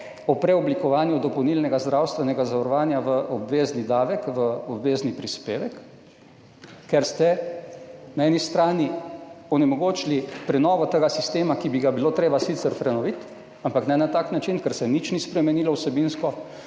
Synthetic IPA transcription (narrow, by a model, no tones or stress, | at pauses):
ɔpɾɛɔblikɔʋaːnjud̪ɔpownilnɛɡazd̪ɾawst̪ʋɛnɛɡazaʋɔɾɔʋaːnjaʋəʔɔbʋeːznid̪aːʋɛkʋəɔbʋeːznipɾispeːʋɛk | ɛɾst̪ɛ | naɛːnist̪ɾaːniɔnɛmɔɡoːt͡ʃilipɾɛnɔːʋɔt̪əɡasist̪eːmakibiɡabiloːt̪ɾeːbasit̪səɾpɾɛnɔʋit̪ | ampaknɛnat̪aːknat͡ʃinkɛɾsɛnit͡ʃnispɾɛmɛniːlɔwsɛbinskɔ